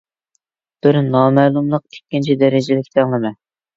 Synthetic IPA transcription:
b̥ɪɾnɑːmɛːlˠumlˠəq̚t̪ʰe̥kʲːint͡ʃʰid̪ɛɾɪd͡ʒɪlɪkʲt̪ʰɛŋlˠɨmɛ

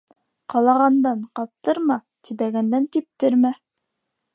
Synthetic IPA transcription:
qɑlˠɑʁɑnd̪ɑɴqɑp̚t̪ɤɾmɑ | t̪ʰibæɡænd̪ænt̪ip̚t̪ɘɾmæ

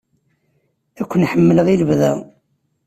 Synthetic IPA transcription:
ækʷːənħəmːələʁiləvðæ

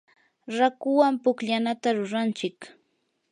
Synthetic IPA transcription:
ɾakʊwampʊkʎanat̪aɾʊɾant͡ʃɪk

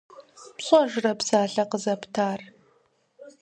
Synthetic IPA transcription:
pɕʼɔʒɪrɐpsaːɬɐqəzɐptʰaːr

